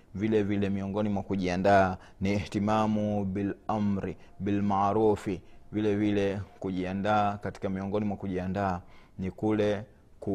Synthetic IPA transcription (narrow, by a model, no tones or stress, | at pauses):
vilɛvilɛmiɔŋɡɔnimwakuʄiandaː | nihtimamuɓilam̩ɾiɓilmaɾufivilɛvilɛkuʄiandaːkati̥kamiɔŋɡɔnimwakuʄiandaːnikulɛ | ku